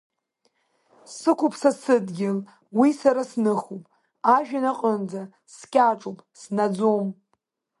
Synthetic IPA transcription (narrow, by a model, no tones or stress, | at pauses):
sɨkʷʰʊpʰsasɨdɡʲɪl | wisaɾasnɨχupʼ | aʒᶣanaqʼənd͡za | skʲʼaʈ͡ʂʼupʼsnad͡zom